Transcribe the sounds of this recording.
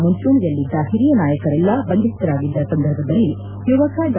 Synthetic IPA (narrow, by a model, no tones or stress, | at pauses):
munt͡ʃuɳijɐlːid͡ʒaːɦiɾijɐnaːjɐkɐɾɛlːɐbɐnd̪ist̪ɐɾaːɡid̪ːɐsɐnd̪ʱɐɾbʱɐd̪ɐlːi | juʋɐkad͡ʒ